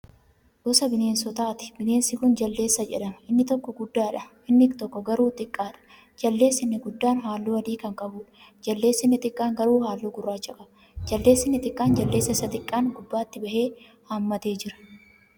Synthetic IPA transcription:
ʔɔsɐbɪneːnsɔt̪aːt̪ɪ̥bɪne̞ːnsɪkʊnd͡ʒɐlːe̞ːsːɐd͡ʒɛ̰ᶑɐmɐɪnːɪt̪ɔkːɔɡʊd̪ːaːᶑɐ | ɪnːɪɡt̪ɔkːɔɡɐɾuːt̪ʼɪkʼːaːᶑɐ̥ | d͡ʒɐlːe̞ːsːɪnːɪɡʊd̪ːaːnɦaːlːuːɐd̪iːkɐŋkʼɐbuːᶑɐ̥ | d͡ʒɐlːe̞ːsːɪnːɪt̪ʼɪkʼːaːŋɡɐɾuːhaːlːuːɡʊrːaːt͡ʃːɐkʼɐbɐ | d͡ʒɐlːe̞ːsːɪnːɪt̪ʼɪkʼːaːnd͡ʒɐlːeːsːɐɪsːɐt̪ɪkʼːaːnɡʊbːaːt̪ːɪbɐhe̞ː | haːmːɐt̪eːd͡ʒɪɾɐ̥

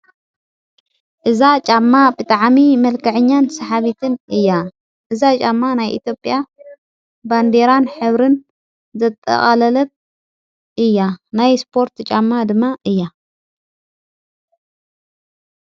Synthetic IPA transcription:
ʔɨzat͡ʃʼamːabɨt̪ʼaʕmimɐlkʰɐʕɨɲːansɐħaβit̪ʰɨnʔɨjːa | ʔɨzat͡ʃʼamːanajʔḭt̪jo̞pʼja | band̪e̞ɾanħɨβɾɨn | zɐt̪ʼːɐ̰χʼalɐlɐβ̚ | ʔɨjːanajspʰo̞ɾt̪t͡ʃʼamːad̪ɨmːaʔɨjːa

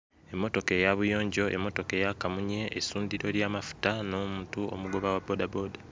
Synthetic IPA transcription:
e̞mːo̞to̞kejaβujo̞ːɲɟo̞ʔemːo̞to̞kejakamuɲe̞ʔesuːndiɾo̞ɾjaːmafu̥tano̞ːmuːntuo̰muɡo̞βawabodaboːda

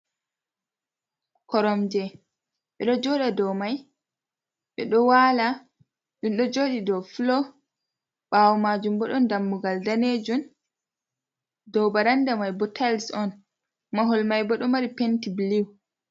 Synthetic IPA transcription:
kɔɾɔmd͡ʒɛ | ɓɛɗɔd͡ʒɔɗadɔwmaj | ɓɛɗɔwala | ɗumɗɔd͡ʒoːɗidɔflɔ | ɓawɔmad͡ʒumbɔɗɔndamːuɡaldaned͡ʒun | dɔwbaɾandamajbɔtʰalsɔn | maɦɔlmajbɔɗɔmaɾipentibliw

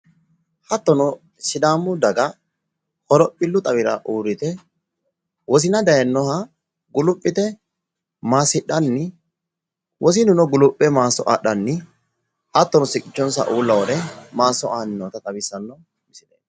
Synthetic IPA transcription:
hɐt̪ːɔnɔ | sɪd̪aːmːʊd̪ɐɡɐ | hɔɾɔpʼːɪlːʊt̪ʼɐβɪɾɐ̰ʔuːɾɪt̪ɛ | wɔs̬ɪnɐd̪ɐjɐnːɔhɐ | ɡʊlʊpʼːɪt̪ɛ | maːsɪᶑɐnːɪ | wʔɔs̬ɪnʊnɔɡʊlʊpʼːɛmaːsɔʔaɗɐnːɪ | ʔɐt̪ːɔnɔsɪkʼːɪt͡ʃːɔnsɐ̰ʔuːlːɐwɔd̪ɛmaːsːɔʔaːnɪnːɔt̪ɐt̪ʼɐbɪsɐnːɔ | mɪsɪᶑḛːn

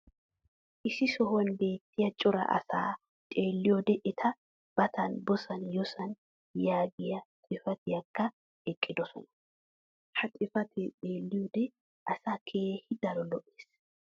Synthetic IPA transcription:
ʔɪsɪsɔwɐnbe̞ːt̪ːɪjɐt͡ʃʼʊɾɐ̰ʔɐ̰saː | t͡ʃʼeːlːɪjɔd̪ɛʔɪt̪ʰɐ | b̥ɐt̪ɐnbɔsɐnjɔsɐn | jaːɡɪjɐt̪ʼɪfɐt̪ɪɐkːɐ | ɛkʼːɪd̪ɔsɔ̰nɐ | hɐt̪ʼɪfɐt̪ɪᶑʼeːlːɪjɔd̪ɛ | ʔɐsaːkʰeːhɪd̪ɐlɔlɔʔeːs

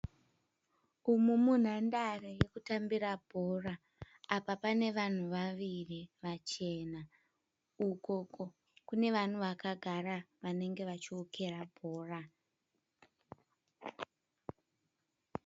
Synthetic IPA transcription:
umumun̤andareje̞kutambirabʱo̞raː | papane̞ʋan̤uʋaʋiriʋat͡ʃe̞ːna | uko̞ko̞ | kune̞ʋan̤uʋakaɡʱaraʋane̞ŋɡe̞ʋat͡ʃiokʰe̞rabʱo̞ːra

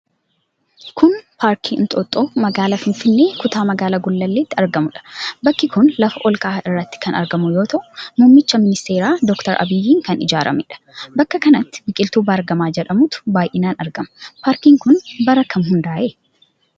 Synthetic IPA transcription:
kʰʊnpʰaːɾkʰiːnt̪ʼot̪ʼːoːmɐɡaːlɐfɪnfɪnːe̞ːkʊt̪aːmɐɡaːlɐɡʊlːɐlːeːt̪ːɪɐɾɡɐmʊᶑɐ̥bɐkːɪkʊnlɐfɐʔɔlkʼaːɪrːɐt̪ːɪ̥kɐnɐ̰ɾɡɐmʊjoːt̪ɐʔʊmʊmːɪt͡ʃːɐmɪnɪst̪eːɾaːd̪ɔkt̪ɐɾʔɐ̰bɪjːiːŋkɐnɪd͡ʒaːɾʔɐ̰mɪᶑɐ̥bɐkːɐkɐnɐt̪ːɪ̥bɪkʼɪlt̪uːbɐːɾɡɐmaːd͡ʒɛᶑɐmʊt̪ʊ̥baːjʔɪnaːnɐɾɡɐmpaːɾkiːŋkʊnbɐɾɐkːɐmɦʊnd̪aːʔe

